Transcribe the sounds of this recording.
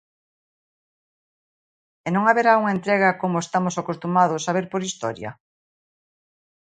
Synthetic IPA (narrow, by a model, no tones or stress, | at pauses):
enõŋaβeɾauŋaent̪ɾeɣ̞ɐkomoest̪amosakost̪umaðosaβ̞eɾpoɾist̪ɔɾjɐ̰